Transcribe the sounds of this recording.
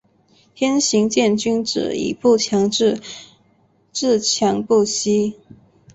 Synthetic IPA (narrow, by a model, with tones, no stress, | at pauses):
t̪ʰjɛ˥nɕi˧˥ŋt͡ɕjɛ˥˩nt͡ɕy˥nʈ͡ʂɻ̩̰˨˩ḭ˨˩pu˥˩t͡ɕʰjɑ˧˥ŋ̩˥˧ | ʈ͡ʂɻ̩˥˩t͡ɕʰjɑ˧˥ŋpu˥˩ɕi˥